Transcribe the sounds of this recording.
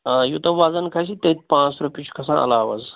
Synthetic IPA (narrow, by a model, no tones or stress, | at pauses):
jut̪ɐʋaːzənkʰaɕit̪et̪̚pãt͡sɾupʲit͡ʃʰu̥kʰɐsãʔɐ̰laːʋə̰z